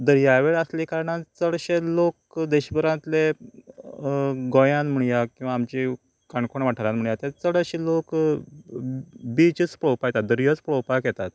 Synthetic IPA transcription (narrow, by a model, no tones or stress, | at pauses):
d̪əɾjaʋeɭəslikaɾɳãt͡səɽɕelok | d̪eɕbəɾãt̪le | ɡɔjãnm̤əɳjakĩw̃ʋaːmt͡ɕi | kaɳkoɳʋaʈʰəɾãnm̤əɳ̃jat̪et͡səɽəɕelok | bit͡ɕət͡spɭowpajt̪at̪̚d̪əɾjət͡spɭowpakɛt̪at̪